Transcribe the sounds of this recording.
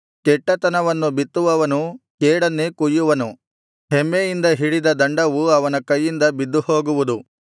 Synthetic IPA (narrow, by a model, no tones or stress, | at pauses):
kɛʈːɐt̪ɐnɐʋɐnːubit̪ːuʋɐʋɐnukɛːɽɐnːekujːuʋɐnu | ɦemːejind̪ɐɦiɽid̪ɐd̪ɐɳɖɐʋuɐʋɐnɐkɐjːind̪ɐbid̪ːuho̞ːɡuʋud̪u